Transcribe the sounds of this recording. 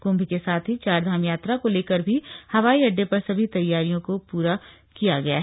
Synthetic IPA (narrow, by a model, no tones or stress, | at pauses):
kõːmbʱikesaːt̪ʰɦit͡ʃaːɾd̪ʱaːmjaːt̪ɾakoleːkɐɾbʱihɐʋaːiɐɖːepɐɾsɐbʱit̪ɐjːaːɾijõkopuːɾa | kijaɡɐja̰ːɦ